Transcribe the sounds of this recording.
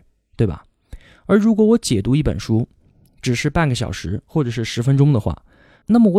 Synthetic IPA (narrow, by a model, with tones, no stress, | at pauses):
t̪we˥˩ɪbɐ̰˩ | ə˞˧˥ɻu˧˥kwɔ˨˥wɔ˧˥t͡ɕjɛ˨˩t̪u˧˥i˥˩pə̰˨˩nʂu˥ | ʈ͡ʂɻ̩˨˩ʂɻ̩˥˧pa˥˩nɡə˩ɕjɑ̰˨˩ʊʂɻ̩˧˥xwɔ˥˩ʈ͡ʂɤ˨˩ʂɻ̩˥˩ʂɻ̩˧˥fə˥nʈ͡ʂʊ˥ŋd̪ə˨xwa̰˥˩ | na˥˩mə˩wɔ˧˦